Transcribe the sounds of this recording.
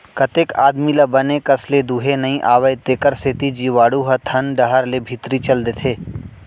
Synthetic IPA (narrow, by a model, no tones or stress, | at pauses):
kɐt̪eːka̰ːd̪milɐbənekɐsled̪uːɦenɐĩʔaːʋəjt̪eːkəɾset̪id͡ʒiːʋaːɽuɦət̪ʰɐnɖɐɦəɾlebʱit̪ɾit͡ʃɐld̪et̪ʰeː